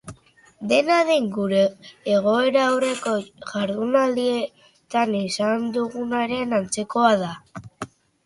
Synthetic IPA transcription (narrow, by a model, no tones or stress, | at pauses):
d̪e̞naðe̞ŋɡuɾe̞ːɣ̞o̞e̞ɾaːwre̞koʝaɾðunald̪ie̞ | t̪anisand̪uɣunaɾe̞nant͡se̞ko̞aða